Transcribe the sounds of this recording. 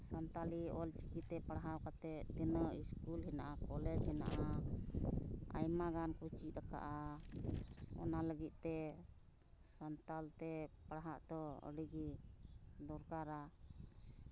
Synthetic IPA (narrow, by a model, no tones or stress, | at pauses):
sant̪aliɔlt͡ʃikit̪ːɛpaɽɦawkat̪ɛʔd̪inəiskulɦɛnaʔakɔlɛd͡ʒhɛna̰ʔa | a̰jmaɡankut͡ʃiʔ̪̚ɾaka̰ʔa | ɔ̰naləɡit̪̚ˀt̪ɛ | sant̪alt̪ɛpaɽɦaʔd̪ɔɔ̰ɽiɡi | d̪ɔɾkaɾa